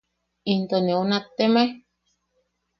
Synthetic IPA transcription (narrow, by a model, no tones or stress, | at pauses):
int̪oneonat̪ːemaj